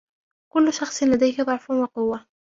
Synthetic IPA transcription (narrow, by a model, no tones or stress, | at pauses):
kʊlːʊʃɑxsˤlad̪ajhɪbɑʕfʊnwɑqʊwːa